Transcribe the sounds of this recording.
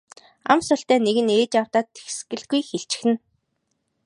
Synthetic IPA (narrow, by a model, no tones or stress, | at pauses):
a̰msʊɬt̪æːneɣɘ̆neːt͡ɕaw̥t̪aːt̪ʰːe̥xsɡɘ̆ɮɡujxeɬt͡ɕɪ̥̆xɘ̆n